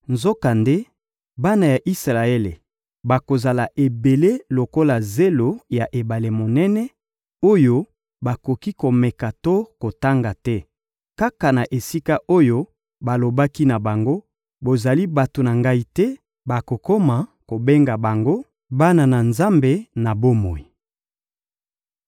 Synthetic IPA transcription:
nzo˦ka˨nde˦ | ba˦na˨ja˨ʔi˦sʁa˨e˦lḛ˨ | ba˨ko˨za˨la˨ʔe˨be˨le˦lo˨ko˦la˨ze˦lo˨ja˨ʔe˨ba˨le˨mo˨nɛ˦nɛ˦ | o˦jo˦ | ba˨ko˨ki˦ko˨mɛ˨ka˨to˦ko˨ta˦ŋɡa˨tɛ˦ | ka˦ka˨na˨ʔe˨si˦ka˦ʔo˦jo˦ | ba˨lo˨ba˦ki˦na˨ba˨ŋɡo˦ | bo˨za˨li˦ba˨to˨na˨ŋɡa˦i˦tɛ˦ | ba˨ko˨ko˦ma˨ko˨be˦ŋɡa˨ba˨ŋɡo˦ | ba˦na˨na˨nza˦mbe˨na˨bo˦mo˨i˨

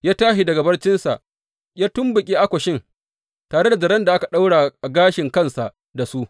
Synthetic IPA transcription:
jaː˦taː˦ʃi˨dɐ˨ɡa˨bɐ˦rt͡ʃɪ˦nsa˨ʔ | jaː˦tʊ˦mbʊ˨kʲʼiː˦ʔa˦kʷɔ˨ʃɪ˦ŋ | taː˨ɽe˦da˨d͡ʒɐ˨ɾɐ˦nda˨ʔa˦ka˨ɗa˦wɽa˨ʔa˨ɡaː˦ʃɪ˨ŋkɐ˦nsa˨ʔ | da˨su˦

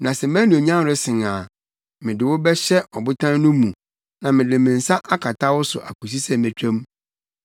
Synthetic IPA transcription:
nã˨sɛ˨mã˦nĩ˨o˨ɲã˦˨ɾʊ˦sɪ̃˨ŋa˨ | mɪ̃˨dɪ˨wʊ˦bɛ˦ɕɛ˦ɔ˨bʊ˦tʰã˦nnʊ̃˦mũ˨ | nã˨mɪ̃˨dɪ˨mɪ̃˨n̩˨sa˦ʔa˦kʰa˨tʰa˦wʊ˦sʊ̰˨ʔa̰˨kʰu˨s̬i˦sɛ˦mæ̃˨t͡ɕᶣʰã˦m

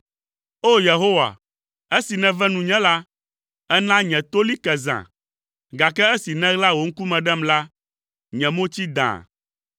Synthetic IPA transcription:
o˦je˨ɦo˦wa̰˨ | e˦si˨nɛ̃˦vɛ˦nũ˨ɲɛ̃˦la˦ | ɛ˦nã˦ɲɛ̃˨t̪o˦li˦kɛ˨zã̰˨ | ɡa˨kɛ˦ɛ˦si˨nɛ̃˦ɣla˦wo˨ŋ̩˦ku˦mɛ̃˨ɖɛ˦mla˦ | ɲɛ̃˨mõ˦t͡ɕi˦d̪ã̰˨

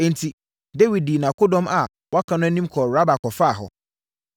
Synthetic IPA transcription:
ɛ̃˨n̩˨tʰi˨ | de˦wi˨d̚diː˨nã˨kʰʊ˦dɔ̃˦ma˨ | wɔ˦a˦kʰã˦nʊ̃˦nĩ˦m˦kʰɔ˨ɾa˦ba˨kʰɔ˨fa˦˨ɦɔ̰˨

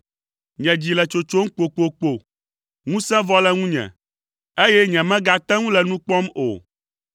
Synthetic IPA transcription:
ɲɛ̃˨d͡ʑi˨lɛ˨t͡ʃo˨t͡ʃo˦ŋ̩˦k͡po˨k͡po˨k͡po˨ | ŋũ˦sɛ̃˦vɔ˦lɛ˦ŋũ˦ɲɛ̰̃˨ | e˦jɛ˦ɲɛ̃˨mɛ̃˦ɡa˦t̪ɛ̃˦ŋũ˦lɛ˨nũ˦k͡pɔ˦mo̰˨

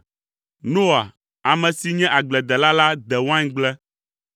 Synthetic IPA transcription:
nõ˦a˨ | a˨mɛ̃˨si˨ɲɛ̃˦ʔa˨ɡ͡blɛ˨d̪ɛ˨la˦la˦d̪ɛ˨wã˦ɲɡ͡blɛ˦

